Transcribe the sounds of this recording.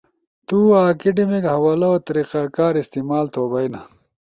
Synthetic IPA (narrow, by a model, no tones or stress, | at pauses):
t̪uaːkiɖimikhɐwaːlɐot̪ɐɾiqakaːɾist̪imaːlt̪oːbɐjna